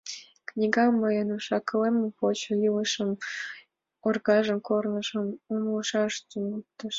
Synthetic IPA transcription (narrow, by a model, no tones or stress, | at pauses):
knʲiɡɑməjənuʃɑkə̆lempot͡ɕŏjilə̆ʃəm | orɣɑʒə̆mkornɤ̆ʃə̆mumlˠɤʃɑʃt̪umut̪ːəʃ